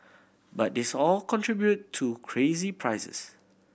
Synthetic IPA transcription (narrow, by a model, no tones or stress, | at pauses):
bat̚dɪsɔlkʰɔ̃ntɹibjutʰːukʰɹezipʰɹajsə̰s